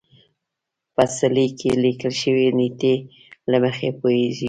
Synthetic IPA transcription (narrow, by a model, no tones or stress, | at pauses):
pasalikʰelikəlʃəwenit̪e | laməxepoeʒi